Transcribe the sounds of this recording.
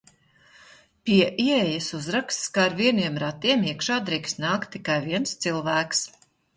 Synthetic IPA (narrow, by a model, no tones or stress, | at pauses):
pʲiɛʔiɛjɐsuzɾakst̪skaɾviɛniɛmɾat̪iɛmiɛkʃaːd̪ɾiːkst̪naːkt̪ːikajviɛnst̪silˠvæːks